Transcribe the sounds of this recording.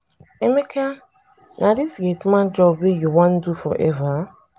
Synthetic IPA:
emekʰa | nʔaɾisɡetmad͡ʒɔbbejuwɔ̃n̩dufɔ̰ʔɛva

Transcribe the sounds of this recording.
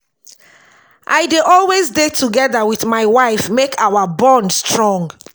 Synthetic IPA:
ʔaɪdeʔɔlwezdetʰuɡɛðawiθmaɪwaɪfmekʰawabɔ̃ndstʰɹɔ̃ŋɡ

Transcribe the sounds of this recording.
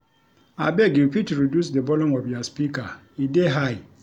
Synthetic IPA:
a̰bɛɡipitɹidjusdebɔlɔ̃mɔvjaspika | ideɦaj

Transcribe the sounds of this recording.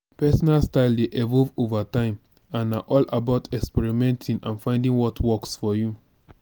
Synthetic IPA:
pɛsɔnalstaɪldeʔɛvɔlvovatãɪ̃m | ãnaʔɔlabaʊtʰɛkspɛɹimɛ̃ntʰĩŋãnfãɪ̃ndĩŋwɔtʰwɔksfɔju

